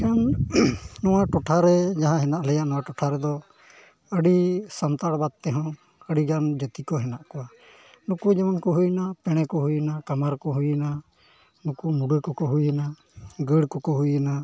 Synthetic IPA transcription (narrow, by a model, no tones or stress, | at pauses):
kan | nɔwaʈɔʈʰaɾɛd͡ʒaɦãɦɛnaʔlɛjaʔnɔwaʈɔʈʰaɾɛd̪ɔ | əɖisamt̪aɽbad̪̚t̪ɛɦɔ̃ | əɽiɡand͡ʒət̪ikɔɦɛnaʔkɔwa | nukud͡ʒɛmankɔɦujnapɛɽ̃ɛkɔɦujnakamaɾkɔɦujɛna | nukumuɖəkɔkɔɦujɛna | ɡəɽkɔkɔɦujɛna